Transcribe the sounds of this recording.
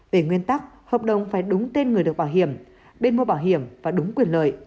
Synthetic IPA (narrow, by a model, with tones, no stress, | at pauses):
ve˧˩ŋwi˧ənt̪a˦˥k̚ | həː˨˩p̚ɗə˨˩wŋ͡mfaː˧˩jɗʊ˨˦ŋ͡mt̪e˧nŋɨ˨˩əjɗək̚ɓaː˧˩wɦḭ˧˨əm | ɓe˧nmo˧ɓaː˧˩wɦi˧˩˨əmvaː˨˩ɗʊ˨˦ŋ͡mkwi˨˩ənlə̰ː˧˨j